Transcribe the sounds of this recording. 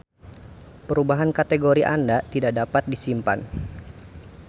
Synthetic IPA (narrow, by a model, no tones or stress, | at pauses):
pəɾubaɦankat̪eɡoɾiʔa̰ndat̪idaʔdapat̪̚disimpa̰n